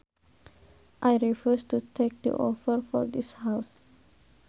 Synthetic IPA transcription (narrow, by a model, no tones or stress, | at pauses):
ʔajɹifustutʰek̚d̪ḭʔɔfəɹfɔ̰ɹd̪ishaʊs